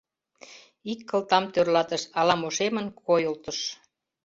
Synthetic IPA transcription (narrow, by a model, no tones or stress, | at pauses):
ikːə̆lt̪ɑmt̪ørlɑt̪əʃɑlɑmoʃemə̆nkʰojolt̪əʃ